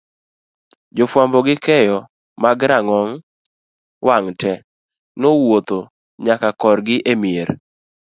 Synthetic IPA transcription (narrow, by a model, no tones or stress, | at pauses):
d͡ʒofwambɔɡɪkɛjɔ | maɡɾaŋɔŋ | wʔaŋtɛ | nowot̪o | ɲakakɔɾɡɪʔemjeɾ